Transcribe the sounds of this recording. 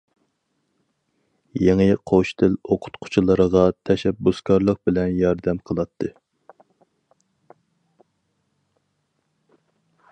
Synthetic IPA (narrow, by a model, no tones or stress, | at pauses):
jeŋɨqʰoʃt̪ʰɪloqʰʊ̥t̪qʰʊ̥t͡ʃʰilˠəɾəʁɑt̪ʰɛʃɛbːuskɑɾlˠəq̚bɪlɛnjɑɾd̪ɛmqʰəlˠɑt̪ʰːɨ